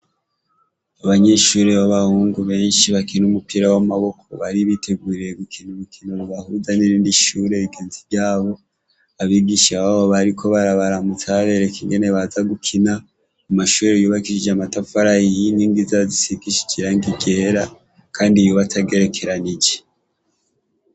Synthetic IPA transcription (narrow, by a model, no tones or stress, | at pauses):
aβaɲe̞ʃuːɾeβaβahuːŋɡuβe̞ːnʃiβakinumupiɾawamaβo̞kʰo̞̰βaɾiβitʰe̞ɡuɾiɾeɡukʰinuβukʰinoɾuβahuzaniɾiːndiʃuːɾe̞βiɡe̞ːnziβɟaːβo̞ | aβiːɡiʃaβaβoβaɾikʰo̞βaɾaβaɾamutʰaɾeɾekiŋɡe̞ne̞βazaɡukʰina | umaʃuːɾejuːβakiʃid͡ʒamatafaɾaijiniːŋɡizazisiɡiʃi̥d͡ʒiɾaŋɡiɡe̞ːɾa | kʰaːndijoβatʰaɡe̞ɾe̞kʰe̞ɾanid͡ʒe